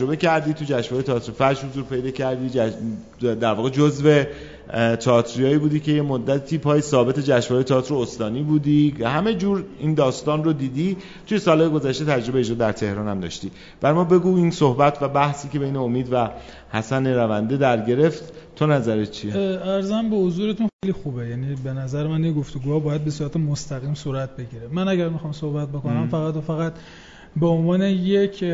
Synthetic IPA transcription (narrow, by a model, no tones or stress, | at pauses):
ɾo̞be̞cʰæɾd̪iːt̪ʰud͡ʒæʃvɒːjet̪ʰɒːt̪ʰɾifæɾd͡ʒhozuːɾpʰe̞jd̪ɒːcʰæɾd̪iːæ | d̪æɾvɒːɣed͡ʒozve̞ | t̪ʰɒt̪ʰɾijɒːiːbuːd̪iːcʰe̞je̞mod̪ːæt̪ʰiːpʰɒːjesɒːbe̞t̪ʰe̞d͡ʒæʃvɒːejet̪ʰɒːt̪ʰɾoost̪ɒːniːbuːd̪ihæmed͡ʒuːɾiːnd̪ɒːst̪ɒːnrod̪iːd̪i | t̪ʰujesɒːlhɒːjeɡo̞zæʃt̪e̞t̪ʰæd͡ʒɾo̞beːd͡ʒɾɒːd̪æɾt̪ʰe̞hɾɒːnæmd̪ɒ̰ːʃt̪i | b̥æɾmɒːbe̞ɡuːinsohbæt̪ʰvæbæhsiːce̞bejneomiːd̪væ | hæsæneɾævænd̪ed̪æɾɟe̞ɾe̞ft̪ːʰ | onæzæɾett͡ʃʰieæɾzæmbehozuːɾet̪ʰunxejlixubejæniːbe̞næzæɾemænjeɡoft̪oɡuːhɒːbɒːjæd̪̚be̞suːɾæt̪ʰemost̪æɣiːmsuːɾæt̪̚ʰbe̞ɟiɾemænæɟæɾmixɒːmsohbæt̪̚bo̞ko̞næmfæɣæt̪ofæɣæt̪ | beonvɒːne̞je̞cʰ